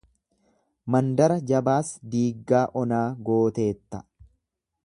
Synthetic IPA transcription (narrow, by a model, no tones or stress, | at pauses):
mɐnd̪ɐɾɐd͡ʒɐbaːsd̪iːɡːaːʔɔnaːɡo̞ːt̪e̞ːt̪ːɐ̥